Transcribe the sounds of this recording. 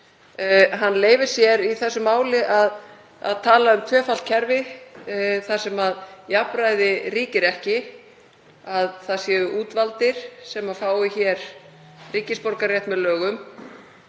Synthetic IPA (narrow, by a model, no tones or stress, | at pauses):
ɦanːleːjvɪ̥sjɛɾiθɛsːʏmːaːwlɪʔað | a̰ðt̪ʰaːlaʏmt̪ʰvœːfal̥t̪cʰɛɾvɪ | θḁsɛmaðjapɾajðɪriːcɪɾɛhcɪ | aðθaðsjɛːʏʔuːt̪valt̪ɪɾ̥sɛmafaːwɪçɛɾ̥ | riːcɪspɔɾkaɾrjɛjht̪mɛðlœːɣʏm